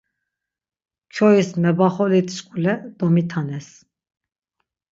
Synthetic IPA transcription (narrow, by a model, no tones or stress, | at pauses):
t͡ʃʰɔismɛbaχɔlit̪ʰʃkʼulɛd̪̥ɔmit̪ʰanɛs